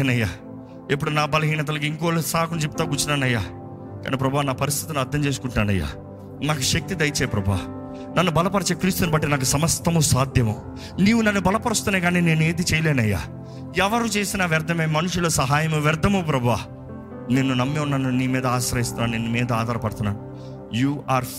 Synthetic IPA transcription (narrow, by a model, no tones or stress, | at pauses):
ɐnɐjːaː | ep̬ːuɽunaːbɐlɐɦiːɳɐt̪̬ɐlɐk̬iiŋkoːlɐsaːkunt͡ʃep̚t̪aːɡut͡ʃːunaːnːɐjːaː | ka̰ːnipɾɐbʱuʋaːnaːpɐɾis̬t̪ʰit̪unɐɾd̪ʱːɐmt͡ʃeːs̬u̥kuɳʈnaːɳɖɐ̰jːa̰ː | naːkɐʃɐk̚t̪id̪ɐjt͡ʃeːpɾɐbʱuʋa̰ː | nɐnːubɐlɐpɐɾɐt͡ʃeːkɾiːst̪unibɐʈːinaːk̬usɐmɐst̪ːɐmusaːd̪ʱjɐmu | niːʋunɐnːubɐlɐpɐɾust̪unːeːkaːnine̞ːneːd̪it͡ʃejɐleːnɐjːa̰ː | ɛʋɐɾut͡ʃe̞ːsinaːʋɛɾd̪ʱːɐmeːmɐnuʂuloːsɐɦaːjɐmuʋɛɾd̪ʱɐmoːp̬ɾɐbʱuʋaː | neːnːunɐmːeunːaːnuniːmiːd̪ɐaːsɾɐɦist̪unaːnneːnːumiːd̪ɐaːd̪ʱaːɾɐpɐɽut̪unːa̰ːnu | juːʔaːɾ